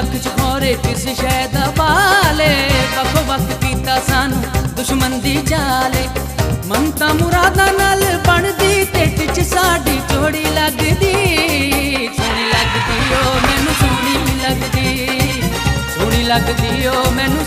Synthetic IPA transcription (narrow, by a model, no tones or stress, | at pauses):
əkʰt͡ʃkʰɔːɾeːkɪsʃəːd̪aːpaːleːbəkʰoːʋəkʰpiːt̪aːsənd̪ʊʃmənd̪iːd͡ʒaːleːmənt̪ãːmʊɾaːd̪aːnaːlpəɳd̪iːt̪eʈɪt͡ʃsaːɖiːt͡ʃoːɽiːləɡd̪iː | t̪oːniːləɡd̪iːoːmɛ̃ːnũːt͡ʃoːɽiːləɡd̪iː | t͡ʃoːɽ̃iːləɡd̪iːoːmɛ̃ːnũː